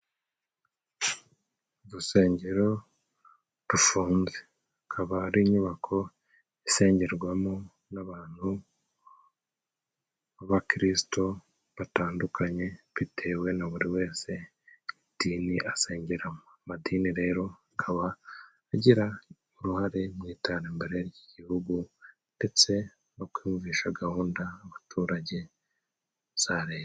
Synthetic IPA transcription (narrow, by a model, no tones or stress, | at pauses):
βuse̞ːɲɟeɾo̞ | tufuːnze | akʰaβaːɾiːɲuβakʰo̞ | ise̞ːɲɟeɾɡwamo | naβaːn̥hu | aβakiɾisi̥to̞ | βataːndukʰaɲe̞βitʰe̞ːwe̞naβuɾiwe̞ːse̞ | idiːniʔaseːɲɟeɾamoamadiːniɾe̞ːɾo̞akʰaβaː | ɟiɾa | uɾuhaɾe̞mŋiːtaɾeːmbe̞ɾeɾɟiɟihuɡu | nde̞t͡se̞ | no̞kwiːmviːʃaɡahuːndaːβatʰuːɾaɟe̞ | z̥aɾeːj